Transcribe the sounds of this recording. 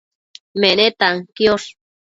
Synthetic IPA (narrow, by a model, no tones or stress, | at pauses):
menet̪aŋkjos